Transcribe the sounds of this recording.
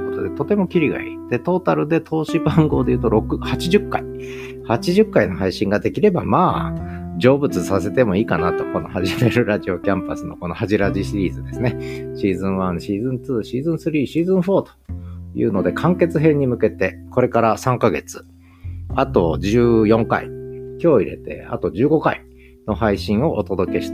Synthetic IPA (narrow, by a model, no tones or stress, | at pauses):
kot̪o̰d̪et̪o̞t̪e̞mo̞kʲiɾʲiɡa̰ḭd̪̥e̞t̪o̞ːt̪aɾɯ̟d̪e̞t̪ʰo̞ːɕibãŋɡo̞ːd̪e̞jɯ̟ːt̪o̞ɾo̞kɯhat͡ɕiʑɨkːai | hat͡ɕiʑɨkːaino̞ɦaiɕĩŋɡad̪e̞kʲiɾe̞ba̰maː | d͡ʑo̞ːbɯ̟t͡sɨsase̞t̪e̞mo̞iːkanat̪o̞ko̞no̞haʑibeɾɯ̟ɾaʑio̞kʲãmpasɨno̞ko̞no̞haʑiɾaʑiɕiɾʲiːzɨd̪e̞sɨne̞ɕiːzɨ̃ɰ̃βãɰ̃ɕiːzɨ̃nt͡sɨːɕiːzɨ̃ɰ̃sɨɾʲiːɕiːzɨ̃ɰ̃ɸo̞ːt̪o̥jɯ̰ːno̞d̪e̞kʰãŋke̞t͡sɨɦẽ̞ɲ̟ːimɯ̟ke̞t̪e̞ko̞ɾe̞kaɾasãŋkaɡe̞̰t͡sɨ̥ | at̪o̞d͡ʑɨːjõ̞ŋka̰ḭkʲo̞ːiɾe̞̰t̪e̞̰a̰t̪o̞d͡ʑɨːɡo̞kai | no̞haiɕĩɰ̃o̞ʔot̪o̞d̪o̞ke̞ɕi̥t̪ḁ